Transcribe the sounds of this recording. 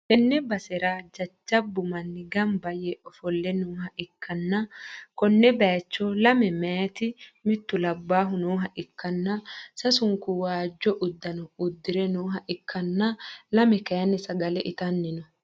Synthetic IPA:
hɛnːɛbɐsɛɾad͡ʒɐt͡ʃːɐbʊmɐnːɪɡɐmbɐjɛʔɔfɔlːɛnoːɦɐʔɪkʰːɐnːɐkɔnːɛbɛːt͡ʃːɔlɐmɛmɛɐt̪ɪmɪt̪ːʊlɐbːaːɦʊnoːɦɐʔɪkʰːɐnːɐsɐsʊŋkʊwaːd͡ʒːɔʔʊd̪ːɐnɔʊd̪ːɪɾɛnoːɦɐʔɪkʰːɐnːɐlɐmɛkɐjɐnːɛsɐɡɐlɛʔɪt̪ɐnːɪnɔ

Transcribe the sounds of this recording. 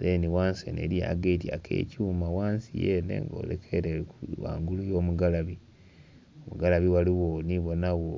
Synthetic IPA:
ɾeniwaːnsḛnḛɾija̰ɡetia̰kʰḛːcuːmawaːnsijenḛŋɡo̰ːɾḛkʰeɾewa̰ːŋɡulujo̞ːmuɡalaβi | omuɡalaβiwaliwoniβo̞nawo

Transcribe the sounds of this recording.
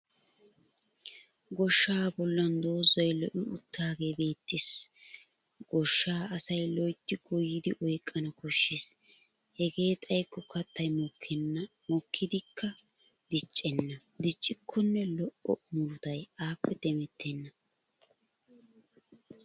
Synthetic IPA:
ɡɔʃːaːbɔlːɐnd̪o̞ːzɐjlɔʔɪʊt̪ːaːɡe̞ːbe̞ːt̪ːɪs | ɡ̥ɔʃːaːɐsɐjlɔjt̪ːɪɡɔjːɪd̪ɪʔɔjkʼːɐnɐkɔʃːeːs | hɛɡe̞ːt̪ʼɐjkːɔkɐt̪ːɐjmɔkʰːɛnɐ | mɔkʰːɪd̪ɪkʰːɐ | d̪ɪt͡ʃʼːɛnːɐ | d̪ɪt͡ʃʼːɪkʰːɔnːɛlɔʔɔ̰mʊɾʊt̪ɐjaːpːɛd̪̥ɛmɛt̪ʰːɛnːɐ

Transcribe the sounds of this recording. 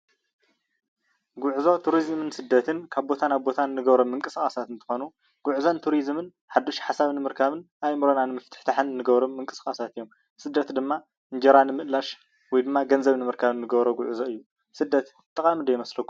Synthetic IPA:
ɡʊʕzo̞t̪ʰuɾizmɨnsɨd̪ːɐt̪ʰɨnkʰaβbo̞t̪ʰanaβbo̞t̪ʰanɨnɨɡɐβɾo̞mːɨŋkʼɨsʼasat̪ɨnt̪ʰɨ̥xo̞nu | ɡ̥uʕzont̪ʰuɾizmɨn | ħad̪ːoʃħasaβnɨmɨɾkʰaβɨn | ajmɨɾonanɨmɐft̪ʰɨ̥ħt̪ʰaħɨnːɨɡɐβɾo̞mːɨŋkʼɨ̥skʼasat̪ɨjːo̞m | sɨd̪ːɐt̪d̪ɨmːa | ɨɲd͡ʒɐɾanɨmɨʔlaʃ | wɔjd̪ɨmːaɡɐnzɐβnɨmɨɾkʰaβɨnːɨɡɐβɾoɡuʕzo̞ɨjːu | sɨd̪ːɐt̪ | t̪ʼːɐkʼamd̪ɐjɪmɐslɐkːu

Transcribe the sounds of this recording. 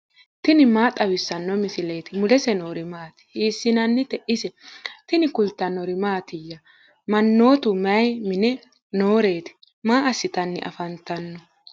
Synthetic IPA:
t̪ɪnɪmaːt̪ʼɐwɪsːɐnːɔmɪsɪle̞ːt̪ɪmʊlɛsɛnoːɾɪmaːt̪ɪ̥hiːsːɪnɐnːɪt̪ɛʔɪsɛt̪ɪnɪkʊlt̪ɐnɔɾɪmaːt̪ɪjːɐ | mɐnːo̞ːt̪ʊmɐjmɪnɛ | no̞ːɾe̞ːt̪ɪ̥ | maːʔɐsːɪt̪ɐnːɪ̰ʔɐ̰fɐnt̪ɐnːɔ

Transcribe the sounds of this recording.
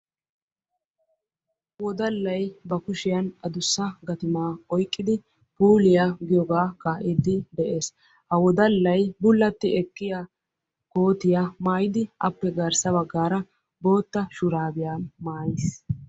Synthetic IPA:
wɔd̪ɐlːɐjbɐkʊʃɪjɐnɐd̪ʊsːɐɡɐt̪ɪmaːɔjkʼːɪd̪ɪ | puːlɪjaɡɪjɔɡaːkaʔɪd̪ːɪd̪ɛʔe̞ːs | hɐwɔd̪ɐlːɐjbʊlːɐt̪ːɪɛkːɪja | koːt̪ɪjamaːjɪd̪ɪʔɐpːɛɡɐɾsɐbɐɡːaːɾɐ | bo̞ːt̪ːɐʃʊɾaːbɪjaːnmaːjɪs

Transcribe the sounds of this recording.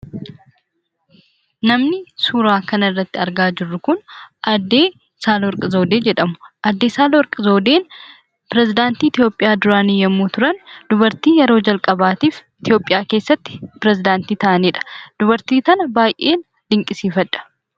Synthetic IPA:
nɐmnɪsuːɾaːkɐnɐɪrːɐt̪ːɪɐɾɡaːd͡ʒɪrːʊkʊnʔɐd̪ːe̞ː | saːlwɔɾkʼɐzo̞ːd̪e̞ːd͡ʒɛᶑɐmʊ̥ʔɐd̪ːe̞ːsaːlwɔɾkʼɪzo̞ːd̪e̞ːn | pɪɾɛzɪd̪aːnt̪iːɪt̪ɪjo̞ːpʼːɪjaːd̪ʊɾaːnijɐmːuːt̪ʊɾɐnd̪̥ʊbɐɾt̪iːjɛɾo̞ːd͡ʒɐlkʼɐbaːt̪iːfɪt̪ɪjo̞ːpʼɪjaːke̞ːsːɐt̪ːɪ̥pɪɾɛzɪd̪aːnt̪iːt̪ɐʔɐniːᶑɐ̥d̪̥ʊbɐɾt̪iːt̪ɐnɐbaːjʔeːn | d̪̥ɪŋkʼɪsiːfɐᶑɐ̥

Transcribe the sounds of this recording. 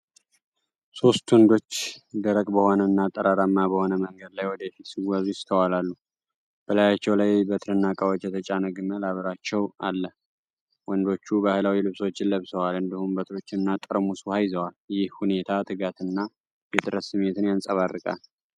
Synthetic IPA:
so̞st̪wɔnd̪o̞t͡ʃːd̪əɾəkʼbəho̞nənːat̪ʼːəɾaɾamːabəho̞nəməŋɡəd̪lajwɔd̪əfit̪siwazujɪst̪ʰəwalalːu | b̥əlajat͡ʃːɛwlajbət̪ʰɨɾɨnːakʼəwot͡ʃɛt̪ʰət͡ʃʼanəɡɨməlaβəɾat͡ʃːɛwa̰lːəh | wɔnd̪o̞t͡ʃːubahɨlawilɨβso̞t͡ʃːɪlːəβsəwalɨnd̪ihumbət̪ʰɾo̞t͡ʃːɪnːat̪ʼəɾmusuhajzəwaljɪhhune̞t̪ʰat̪ʰɨɡat̪ɨnːa | jɛt̪ʼɨɾət̪sɨmːe̞t̪ʰɨnjansʼəβarːɨkʼa̰l

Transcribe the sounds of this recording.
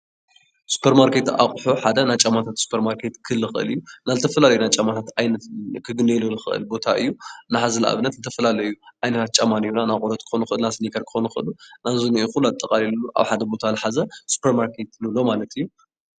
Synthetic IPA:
su̥pʰeɾmaɾkʰet̪a̰χʼħuħad̪ɐnat͡ʃʼamat̪ʰat̪su̥pʰeɾmaɾkʰet̪kʰɨlːɨxɨʔɨ̰lɨ̰jːunazɨt̪ʰɐfɐlalɐjunat͡ʃʼamat̪ʰat̪ajnɐt̪kʰɨɡɨnelolɨxɨʔɨ̰lbo̞t̪ʰaʔɨjːunaħazɐlɐʔa̰βɨnːɐt̪zɨt̪ʰɐfɐlalɐjuʔajnɐt̪ʰat̪̚t͡ʃʼamanijunanakʼuɾɐt̪kʰɨ̥xonuxɨʔɨlnasnikʰɐɾkʰɨ̥xonuxɨʔɨ̰lunazuniʔuxuluat̪ʼːɐkʼalilːuʔa̰βħad̪ɐbo̞t̪ʰalɨħazɐsu̥pʰeɾmaɾkʰet̪nɨlo̞malɐt̪ɨjːu

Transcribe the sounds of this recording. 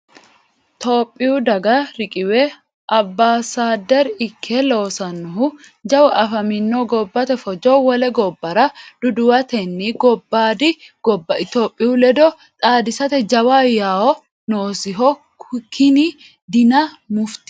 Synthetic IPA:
t̪oːpʼːɪjʊd̪ɐɡɐɾɪkʼɪwɛ | ʔɐbːaːsaːd̪ɛɾɪkʰːɛloːsɐnːʊɦʊ | d͡ʒɐwʔɐfɐmɪnːoɡɔbːɐt̪ɛfɔd͡ʒɔwɔlɛɡɔbːɐɾɐd̪̥ʊd̪ʊwɐt̪ɛnːiɡɔbːaːd̪ɪɡ̥ɔbːɐɪt̪oːpʼːɪʊlɛd̪ɔ | t̪ʼaːd̪ɪsɐt̪ɛd͡ʒɐwaːjaːwɔ | noːsɪɦɔ | kʰɪni | d̪ɪnɐ | mʊft̪ɪ̥

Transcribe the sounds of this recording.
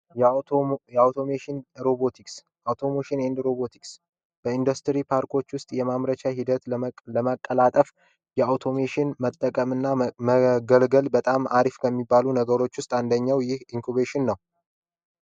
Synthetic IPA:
jawt̪ʰomeʃɪnɾobot̪ʰiks | awt̪ʰo̞moʃɪnend̪ɾo̞bot̪ʰiks | b̥əind̪ust̪ʰɾipʰaɾkʰʼo̞t͡ʃːwʊst̪ʼjɛmamɾət͡ʃaɦid̪ət̪ləmakʼːəlat̪ʼəf | jɛawt̪ʰo̞meʃɪnmət̪ʼːəkʼəmɨnːaməɡəlɡəlbət̪ʼamaɾifkʰəmːibːalunəɡəɾo̞t͡ʃːwʊst̪ʼand̪əɲːawjɪhiŋkʰuβeʃɪnːəw

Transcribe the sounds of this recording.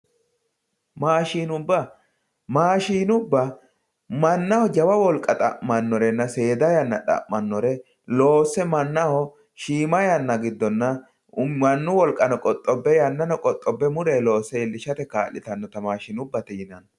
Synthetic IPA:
maːʃiːnʊbːɐ | maːʃiːnʊbːɐ | mɐnːɐhɔd͡ʒɐwɐwɔlkʼːɐt̪ʼɐ̰ʔmɐnːɔɾɛnːɐse̞ːd̪ɐjɐnːɐᶑɐ̰mːɐnːɔɾɛ | lo̞ːsːɛmɐnːɐhɔ | ʃiːmɐjɐnːɐɡɪd̪ːɔnːɐ | ɐnːʊwɔlkʼɐnɔkʼɔt̪ʼːɔbːɛjɐnːɐnɔkʼɔt̪ʼːɔbːɛmʊɾeːlo̞ːsːɛɪlːɪʃɐt̪ɛkaːʔːɪt̪ɐnːɔt̪ɐmaːʃɪnʊbːɐt̪ɪjɪnɐn

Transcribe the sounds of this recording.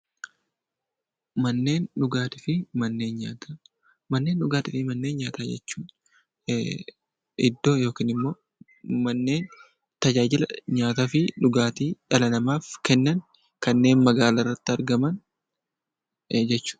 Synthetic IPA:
mɐnːe̞ːnᶑʊɡaːt̪ɪfɪmɐnːe̞ːnɲaːt̪a | mɐnːe̞ːnᶑʊɡaːt̪ɪfɪmɐnːeːnɲaːt̪aːd͡ʒɛ̰t͡ʃːuːn | ɪd̪ːo̞ːjo̞ːkiːnɪmːo̞ː | mɐnːe̞ːn | t̪ɐd͡ʒaːd͡ʒɪlɐɲaːt̪aːfɪᶑʊɡaːt̪iːᶑɐlɐnɐmaːfkɛnːɐn | kɐnːe̞ːnmɐɡaːlɐrːɐt̪ːɪɐɾɡɐmɐn | d͡ʒɛt͡ʃːu̥ː

